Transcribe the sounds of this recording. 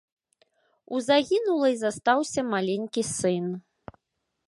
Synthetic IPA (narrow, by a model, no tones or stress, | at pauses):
uzaɣʲinulˠɐizast̪awsʲɐmalʲenʲkʲisɨn